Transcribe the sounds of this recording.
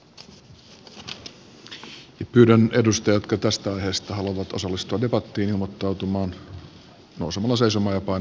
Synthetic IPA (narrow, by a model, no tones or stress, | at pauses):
jɑpyːdæne̞dust̪ɑjɑt̪kɑt̪æst̪æɑjhe̞ːst̪ɑɦɑluoʋɑt̪o̞sɑlːist̪uɑde̞pɑt̪ːiːnilmot̪ːɑwt̪umɑːn | nowsemɑlːɑse̞jsomɑjɑpɑ